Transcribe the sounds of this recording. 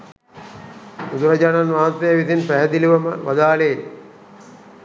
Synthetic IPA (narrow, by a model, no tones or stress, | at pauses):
ud̪uɾɐd͡ʑaːnanʋaːnt̪ːɐjəʋit̪inpæɦɛd̪iliʋɐmə̰ʋa̰d̪aːleː